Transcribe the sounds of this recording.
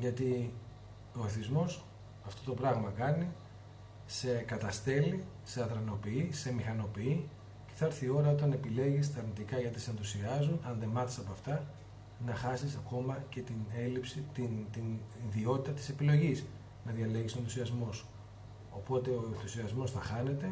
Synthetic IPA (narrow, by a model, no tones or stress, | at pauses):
ʝɐt̪i | o̞eθizmo̞s | ɐft̪o̞t̪o̞pɾɐɣmɐkɐni | se̞kɐt̪ɐst̪e̞li | se̞ɐðɾɐno̞piise̞mixɐno̞pii | ce̞̥θɐɐɾθio̞ɾɐot̪̬ɐne̞pile̞ʝist̪ɐːɾnit̪ikɐʝɐt̪isenθusiɐzunɐnðe̞mɐtisɐpoɐft̪ɐ | nɐxɐsisɐko̞mɐce̞t̪ine̞lipsit̪int̪iniðio̞t̪it̪ɐt̪i̥se̞pilo̞ʝis | nɐðʝɐle̞ʝiso̞enθusiɐzmo̞s | o̞po̞t̪e̞o̞enθusiɐzmo̞sθɐxɐne̞t̪e̞